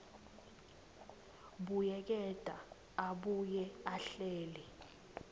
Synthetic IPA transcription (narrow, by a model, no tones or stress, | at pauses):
ɓujɛk̬ɛd̥ʱa | aɓujɛaɬeːli